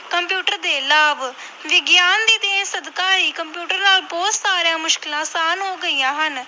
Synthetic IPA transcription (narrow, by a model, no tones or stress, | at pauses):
kəmpjuːʈəɾd̪eːlaːb | ʋɪɡjaːnd̪iːd̪eẽːsəd̪kãːɦiːkəmpjuːʈəɾnaːlbɔːt̪saːɾɪjãːmʊʃkɪlãːsaːnɦoːɡəijãːɦən